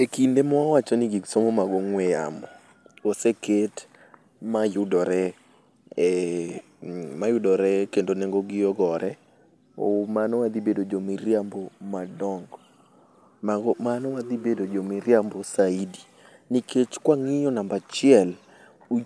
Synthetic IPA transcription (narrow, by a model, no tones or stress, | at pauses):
ekindemɔwawat͡ʃɔniɡiɡsomomaɡɔŋwɛja̰mɔ | oseket | majʊdɔɾɛ | majʊdɔɾɛkendoneŋɡoɡɪɔɡɔɾɛ | o̰manɔwad̪ibedod͡ʒomiɾjambɔmadɔŋɡ | maɡɔmanɔwad̪ibedod͡ʒomiɾjambɔsaidi | nikʰet͡ʃkwaŋɪjɔnambat͡ʃɪɛl | u